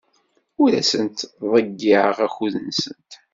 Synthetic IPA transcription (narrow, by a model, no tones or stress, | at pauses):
ʊɾæsənt̪ðˤəɡːɪʕəʁæxuðənsə̰nt̪